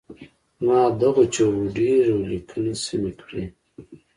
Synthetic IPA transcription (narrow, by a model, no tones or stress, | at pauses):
mɑːd̪aɣot͡ʃowuɖiɾolikʰənisimikɽi